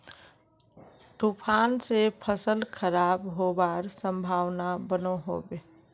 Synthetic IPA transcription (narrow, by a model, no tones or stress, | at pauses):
t̪upʰaːnsepʰəsəlkʰəɾaːbɦobaɾsə̃mbʱaːʋnabənoɦo̰ːbeː